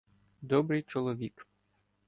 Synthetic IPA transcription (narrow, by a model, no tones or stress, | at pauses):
d̪ɔbɾɪjt͡ʃɔlˠɔʋʲik